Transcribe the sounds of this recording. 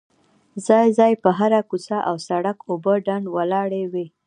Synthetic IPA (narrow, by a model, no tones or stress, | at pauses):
zɑjzɑjpəɦaɾakusaʔawsaɽakobəɖaɳɖwalɑɽewi